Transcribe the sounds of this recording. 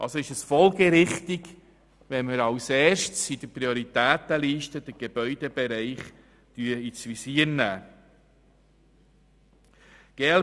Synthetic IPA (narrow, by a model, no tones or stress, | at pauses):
ʔɑ̰lsoɪʃəsfɔlɡəɾɪχt̪iɡ | ʋɛnməɾɑwsɛːʃtsid̥əpɾioɾit̪æːt̪əliːʃtəd̥̪əɡ̥eb̥œʏdeb̥eɾæɪχ | tyːəit͡sʋisiːəɾnæː | ɡ̥el